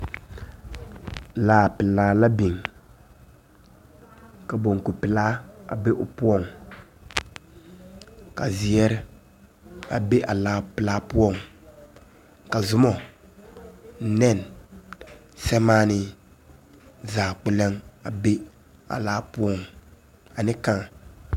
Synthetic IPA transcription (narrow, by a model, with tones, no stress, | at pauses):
laː˨pɪ˨laː˨˦la˦bi˨ŋ | ka˨bo˨ŋ˨ku˨pɪ˨laː˦a̰˨be˦ʔʊ˨pʊ˦ɔ˦˨ŋ | ka˨zɪ˨ɛ˦ɾɪ˦ | a̰˨be˦ʔa̰˨laː˨˦pɪ˨laː˦pʊ˦ɔ˦˨ŋ | ka˨zʊ˦mɔ˨ | n̩˦nɛ˦˨n | sɛ˦maː˦nɪ˦ | zaː˨k͡pɛ˦lɛ˦ŋa˨be˦ | a̰˨laː˦pʊ˦ɔ˦˨ŋ | a˨nɪ˦ka˦ŋ